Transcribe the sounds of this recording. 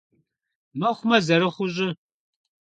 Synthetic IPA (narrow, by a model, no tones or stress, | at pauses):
mɐχʷʊmɐzɐɾɨχʷʊʑʼɪ